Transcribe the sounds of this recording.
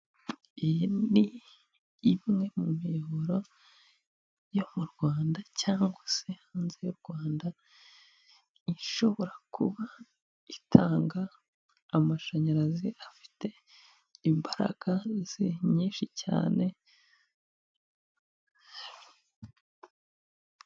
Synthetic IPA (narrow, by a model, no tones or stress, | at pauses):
ijndiː | ŋe̞mumioɾo̞ | jo̞muɾɡwaːndacaːŋɡwasehaːnzejuɾɡ̥waːnda | iʃo̞βo̞ɾakʰuβa | itʰaːŋɡaː | maʃaɲaɾaziʔafi̥te̞ | imbaɾa̰ɡ̥az̥iɲiːnʃica̰ːne̞